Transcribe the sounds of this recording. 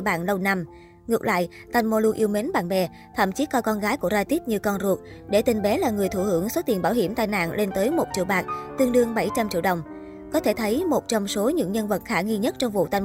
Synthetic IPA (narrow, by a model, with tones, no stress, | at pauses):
ɓa̰ː˧˨nlə˧wna˧m | ŋɨ˨˩ək̚la̰ː˧˨jʔ | t̪a˨˩jŋmo˧lu˧k̚ʔi˧wme˨˦nɓa̰ː˧˨nɓɛ˧˩ | t̪ʰə̰˧˩˨mt͡ɕi˨˦kɔ˧jkɔ˧nɣaː˨˦jku˧˩əzaː˧t̪i˦˥t̚ɲɨ˧kɔ˧nzu˨˩ək̚ɗe˧˩t̪ï˨˩ŋɓɛ˨˦laː˨˩ŋɨ˨˩əjt̪ʰu˧˩hɨ˧˩əŋswə˦˥t̪i˨˩ənɓaː˧˩wɦi˧˩əmt̪aː˧jna̰ː˧˨nle˧nt̪əː˨˦jmo˨˩t͡ɕḭ˧˨wɓaː˨˩k̚t̪ɨ˧əŋɗɨ˧əŋɓa˧˩jt͡ɕa˧mt͡ɕḭ˧˨əwɗə˨˩wŋ͡m | kɔ˨˦t̪ʰe˧˩t̪ʰə˨˦jmo˨˩t̚t͡ɕɔ˧wŋ͡mso˨˦ɲɨ̰˧˥ŋɲə˧nvə˨˩t̚xaː˧˩ŋi˧ɲə˦˥t̚t͡ɕɔ˧wŋ͡mvṵ˧˨t̪a˧˩j